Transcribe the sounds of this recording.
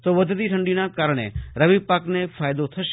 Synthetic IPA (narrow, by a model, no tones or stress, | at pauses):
t̪oʋəd̪ʱt̪iʈʰə̃ɳɖinakaɾəɽ̃ḛɾəʋipaknefaːjd̪ot̪ʰəʃ